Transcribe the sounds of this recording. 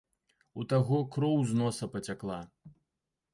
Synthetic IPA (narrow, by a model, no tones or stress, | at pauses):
ut̪aɣɔkɾɔwznɔsɐpɐt͡sʲaklˠa